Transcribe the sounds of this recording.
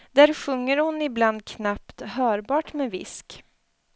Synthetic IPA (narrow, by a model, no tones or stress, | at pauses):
d̪̥æɾɧɵŋːəɾhʊnɪbland̪̚kʰnapt̪hœːɾbɑːʈmɛvɪ̰sk